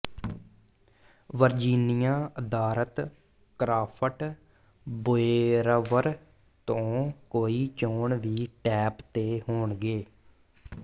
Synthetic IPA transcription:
ʋəɾd͡ʒiːnijãːəd̪aːɾət̪ | kɾaːpʰəʈ | boeːɾəʋəɾ | t̪õːkoːiːt͡ʃoːɳʋiːʈɛːpt̪eːɦoːɳɡeː

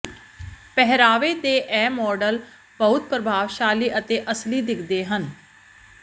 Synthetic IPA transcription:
pɛɦɾaːʋeːd̪eːʔɛːmɔːɖəl | bəɦʊt̪̚pɾəbʱaːʋʃaːliːʔət̪eːʔəsliːd̪ɪkʰd̪eːɦən

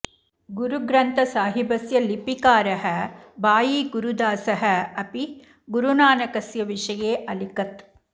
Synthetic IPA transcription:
ɡuɾuɡɾɐnt̪ɐsaːɦibɐsjɐlipikaːɾɐɦɐbaːjiːɡuɾud̪aːsɐɦɐ̆ɐpi | ɡuɾunaːnɐkɐsjɐʋiʂɐjeːʔɐlikɐt̪̚

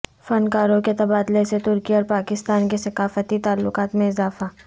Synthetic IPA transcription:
fɐnkaːɾõket̪ɐbaːd̪leset̪ʊɾkiɔːɾpaːkɪst̪aːnkesɐkaːfət̪it̪aːlːʊkaːt̪mẽɪzaːfa

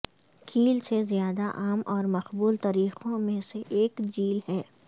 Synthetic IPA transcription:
kʰiːlsezijaːd̪aʔaːmʔɔːɾmɐxbuːlt̪aːɾiːxõmẽseʔeːkd͡ʒiːlhɛː

